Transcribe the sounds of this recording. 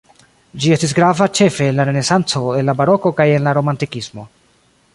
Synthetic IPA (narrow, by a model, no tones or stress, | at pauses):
d͡ʒie̞stis̬ɡɾavat͡ʃe̞fe̞ːnlaɾe̞ne̞sant͡so̞e̞nlabaɾo̞ko̞kaje̞nlaɾo̞mantikismo̞